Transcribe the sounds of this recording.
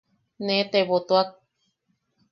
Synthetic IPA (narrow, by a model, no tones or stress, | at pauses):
nẽt̪eβot̪oak̚